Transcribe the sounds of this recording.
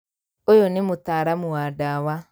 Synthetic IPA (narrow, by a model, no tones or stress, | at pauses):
ojonemotaːɾamuwadawa